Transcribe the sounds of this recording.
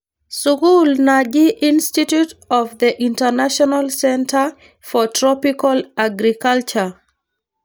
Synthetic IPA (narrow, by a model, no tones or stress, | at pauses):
sukulnad͡ʒiʔĩnstitjutɔvðəʔĩntənaʃɔnalsɛ̃ntʰə | fɔtʰɹɔpikalaɡɾikalt͡ʃə